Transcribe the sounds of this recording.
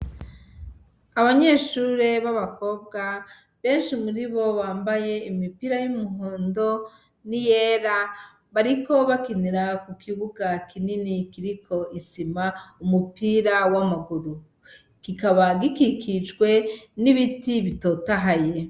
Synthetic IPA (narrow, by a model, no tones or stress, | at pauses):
aβaɲe̞ːʃuːɾe̞βaβako̞b̚ɡa | βe̞ːnʃimuɾiβo̞βaːmbaje̞imipiɾajumuɦoːndo̞ | nijeːɾa | βaɾiko̞βakiniɾakukʰiβuɡakʰininikiɾikʰo̞ʔisimaumupiɾawamaɡuɾu | ɡ̥ikaβaɡikikʰid͡ʒɡwe̞niβitiβito̞taɦaje